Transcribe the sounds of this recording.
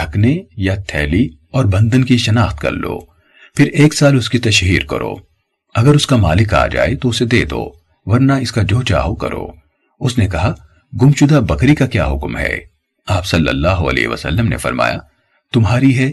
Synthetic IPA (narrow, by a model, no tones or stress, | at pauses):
ɖʱɐknejat̪ʰɛːli | ɔːɾbɐ̃nd̪ənkiʃɐnaːxt̪kɐ̰ɾlo̰ː | pʰɪɾeːksaːlʊskit̪ɐʃɦiːɾkɐ̰ɾʔo̰ː | ɐɡəɾʊskamaːlɪka̰ːd͡ʒa̰ːet̪oʊsed̪eːd̪o̰ː | ʋɐɾnaɪskad͡ʒoːt͡ʃa̰ːɦokɐ̰ɾo̰ː | ʊsnekɐɦa | ɡʊmʃʊd̪abɐkɾikakja̰ːɦʊkmɦɛ̰ː | aːpsɐlːə̰lːaːɦoɐ̰lḛːɦḛʋə̰sə̰lːəmnḛfɐ̰ɾma̰ːja̰ | t̪ʊmɦaːɾiɦɛː